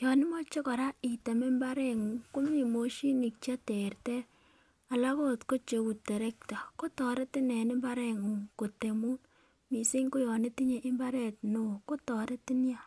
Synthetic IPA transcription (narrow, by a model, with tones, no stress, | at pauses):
jɔ˨nɪ˦mɔ˦t͡ʃe˦kɔ˨ɾa˦i˨te˨me˦mba˦ɾe˦˨ŋu˨ŋko˦m˦ɲi˨mo˨ʃi˦ni˨k̚t͡ʃa˦te˨ɾtɛ˦ | a˨la˦ko˦tko˦t͡ʃe˨wu˨te˨ɾe˦k̚ta˨ko˦tɔ˨ɾe˦tɪ˦nɛ˨nɪ˦mba˦ɾɛ˦˨ŋu˨ŋko˨te˨mu˦n | mi˨se˦ŋko˦jɔ˨ne˦ti˦ɲe˨ʔɪ˦mba˦ɾɛ˦˨tno˨˦˨ko˦tɔ˨ɾe˦ti˦nja˦